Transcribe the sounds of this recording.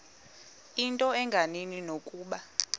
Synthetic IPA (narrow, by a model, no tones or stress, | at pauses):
intʼɔɛŋɡʱanininokʼuːɓa